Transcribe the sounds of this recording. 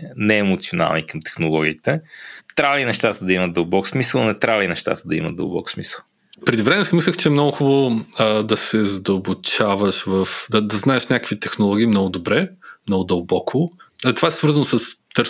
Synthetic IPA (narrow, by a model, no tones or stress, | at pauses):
nɛɛmot̪siona̰lˠnikɐmt̪ɛ̥xnolˠɔɡʲiːt̪ɛt̪ɾavinɛʃt̪at̪əd̪ɐimət̪d̪ɐlˠbɔksmisəlˠɐnɛt̪ɾavəinɛʃt̪a̰t̪əd̪ɐḭmə̰d̪̚d̪ə̰lˠbɔ̰ksmisəlˠ | pɾɛd̪ivɾɛmɛsimislʲəxt͡ʃɛɛmnɔɡʊxubəd̪ɐsɛzɐd̪əlˠbʊt͡ʃavɐʃvəfd̪ɐd̪ɐznaɛʃnʲakəkvit̪ɛxnolˠɔɡ̟iːmnɔɡʊd̪obɾɛmnɔɡʊd̪ɐlˠbɔkʰʊɐt̪ovaɛsvɤɾzənosəst̪əɾ